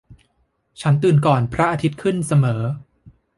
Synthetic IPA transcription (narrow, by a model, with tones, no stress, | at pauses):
t͡ɕʰa˦˥nt̪ɯː˨˩nkɔː˨˩npʰɾa˦˥ʔaː˧t̪ʰi˦˥t̪̚kʰɯ˥˩nsa˧mɤː˩˦